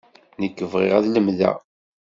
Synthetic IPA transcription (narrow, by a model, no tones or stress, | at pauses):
nəkːəvʁɪ̰ʁæðləmðæ̰